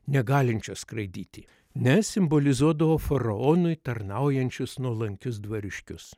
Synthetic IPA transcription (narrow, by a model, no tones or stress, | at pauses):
nʲɛɡɑːlʲɪnʲt͡ʃʲoːskɾɐɪd̪ʲiːt̪ʲi | nʲɛsʲɪmbolʲɪzuɔd̪ɐʋoːfɔɾɐoːnʊɪt̪ɐɾnɐʊjɛnʲt͡ʃʲʊsnuɔlˠɐŋʲkʲʊsd̪ʋɐɾʲʊʃʲkʲʊs